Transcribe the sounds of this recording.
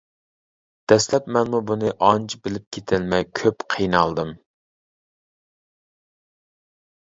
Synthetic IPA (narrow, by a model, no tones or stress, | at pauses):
d̪̥ɛslɛpmɛnmubunɨʔɑnt͡ʃʰbɪlɪp̚kʲʰet̪ʰɪlmɛjkʲʰøpqʰijnɑlˠd̪ɨm